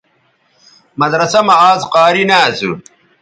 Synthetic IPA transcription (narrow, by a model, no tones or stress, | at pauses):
mɐd̪ɾɐsɐmɐaːzqaːɾinasṵ